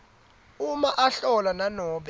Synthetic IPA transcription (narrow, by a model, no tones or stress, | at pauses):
umaʔaɬɔlananɔːɓɛ